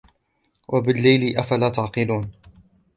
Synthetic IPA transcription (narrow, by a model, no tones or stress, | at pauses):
wʔabɪlːajliʔafalaːt̪aʕqɨluːn